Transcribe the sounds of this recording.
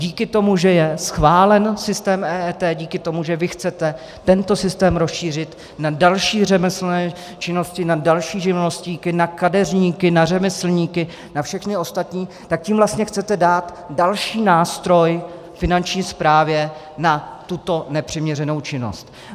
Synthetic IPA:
ɟiːkɪt̪o̞muʒɛjɛsxvaːlɛnsɪst̪ɛːmɛːɛːt̪ɛːɟiːkɪt̪o̞muʒɛvɪxt͡sɛt̪ɛ | t̪ɛnt̪o̞sɪst̪ɛːmɾosʃiːr̝ɪt̪ | nadalʃiːr̝ɛmɪsl̩nɛː | t͡ʃɪno̞scɪnadalʃiːʒɪvlosciːkɪnakadɛrɲiːkɪnarɛmɪsl̩ɲiːkɪ | nafʃɛxnɪo̞st̪at̪ɲiː | t̪ak̚ciːmvlast̪ɲɛxt͡sɛt̪ɛdaːt̪ | dalʃiːnaːst̪ɾo̞j | fɪnant͡ʃɲiːspɾaːvjɛ | nat̪ut̪o̞nɛpr̝̥ɪmɲɛrɛno̞wt͡ʃɪno̞̰st̪

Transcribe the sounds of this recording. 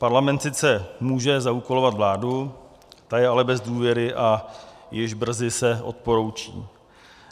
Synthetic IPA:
paɾlamɛnt̪sɪt͡sɛmuːʒɛzauko̞lo̞vat̪vlaːdu | t̪ajɛalɛbɛzduːvjɛɾɪʔajɪʒbr̩zɪsɛʔo̞̰t̪̚poɾowt͡ʃḭː

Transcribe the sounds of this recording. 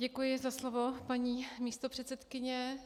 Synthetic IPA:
ɟɛkujɪzaslovopaɲiːmiːst̪opr̥ɛt̪sɛt̪kɪɲɛ

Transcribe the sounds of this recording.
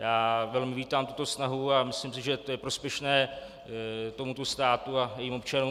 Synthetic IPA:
jaːvɛlmɪviːt̪aːmt̪ut̪o̞snaɦuamɪslimsɪʒɛt̪ojɛpɾo̞spjɛʃnɛː | t̪o̞mut̪o̞st̪aːt̪uajɛjiːmo̞pt͡ʃanuː

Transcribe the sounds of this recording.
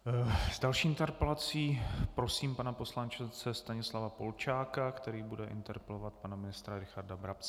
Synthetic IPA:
z̥dalʃiːɪnt̪ɛɾpɛlat͡siːpɾo̞siːmpanapo̞slant͡ʃɪt͡sɛst̪aɲɪslavapo̞lt͡ʃaːkakt̪ɛɾiːbudɛʔɪ̰nt̪ɛɾpɛlovat̪̚panamɪnɪst̪ɾaɾɪxaɾdabɾapt͡s

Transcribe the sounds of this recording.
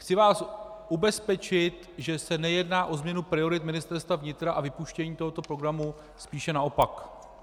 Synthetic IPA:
xt͡sɪvaːsʔubɛspɛt͡ʃɪt̪ | ʒɛsɛnɛjɛdnaːʔo̞zmɲɛnupɾɪo̞ɾɪt̪mɪnɪst̪ɛɾst̪vavɲɪt̪ɾaʔavɪpuʃcɛɲiːt̪oɦo̞t̪o̞pɾo̞ɡɾamu | spiːʃɛnao̞pak

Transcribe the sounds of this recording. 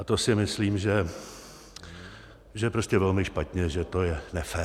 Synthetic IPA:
at̪o̞sɪmɪsliːmʒɛ | ʒɛɛpɾo̞scʲɛvɛlmɪʃpat̪ɲɛʒɛt̪o̞jɛnɛfɛː

